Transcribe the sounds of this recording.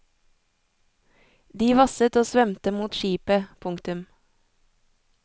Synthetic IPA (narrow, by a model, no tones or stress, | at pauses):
d̪iːʋɑsət̪oːsʋɛmt̪əmuːt̪ʃiːpəpʰʊŋkt̪ʉm